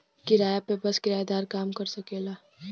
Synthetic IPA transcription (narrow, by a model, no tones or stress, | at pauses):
kiɾaːjapebɐskɪɾaːjd̪aːɾkaːmkɐɾsɐkeːlaː